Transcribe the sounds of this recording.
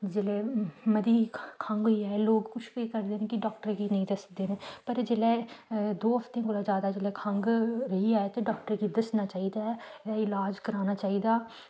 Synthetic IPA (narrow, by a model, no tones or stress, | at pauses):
d͡ʒeːlɛːməd̪iːkʰə̃ŋɡɦoiːɛːloːɡkʊt͡ʃʰkoikəɾd̪eːnẽːkɪɖɔːk̚ʈəɾɡiːnəĩːd̪əsd̪eːnẽːpəɾd͡ʒeːlɛːd̪oːɦəpt̪ẽːkoːlaːd͡ʒjaːd̪aːd͡ʒeːlɛːkʰə̃ŋɡɾəiɛːt̪eːɖɔːk̚ʈəɾɡiːd̪əsnaːt͡ʃaːiːd̪aːɛːaːɪlaːd͡ʒkəɾaːnaːt͡ʃaːiːd̪aː